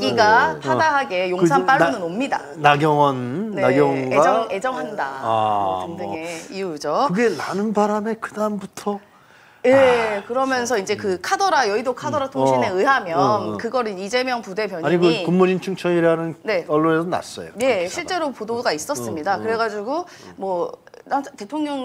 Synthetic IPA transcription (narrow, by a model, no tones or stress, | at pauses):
ɡiɡapʰadaɦaɡe̞joŋsʰamp͈aɭːonɯnomɲida̰ | naɡjʌŋʌnneaɡjʌŋɡaʌŋe̞d͡ʑʌŋɦanda | ɯndɯŋe̞iud͡ʑoɯɡe̞nanɯnbaɾame̞kɯdambutʰʌ | je̞kɯɾʌmjʌnsʰʌind͡ʑe̞kɯkʰadʌɾajʌidokʰadʌɾatʰoɕine̞ɯɦamjʌnkɯɡʌɾɯnid͡ʑe̞mjʌŋpude̞pjʌɲaɲiɡokumːuɾint͡ɕʰuŋt͡ɕʰʌiɾanɯnne̞ʌɭːonesʰʌna̰s͈ʌ̰jo̰je̞ɕʰiɭt͡ɕ͈e̞ɾopodoɡais͈ʌs͈ɯmɲidakɯɾe̞ɡad͡ʑiɡo | mwʌnate̞tʰoŋɲʌŋ